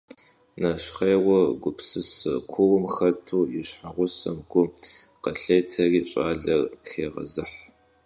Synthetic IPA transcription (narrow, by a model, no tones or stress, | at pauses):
nɐɕχejʁʷɔɡʷʊpsɨsɨkʷʰʊʁʊmxɐtʰuːjɪɕħaʁʷʊsɐmɡʷʊqɐɬeːtʰɐriːɕʼaːɮɐrxeːʁɐ̰zɨħ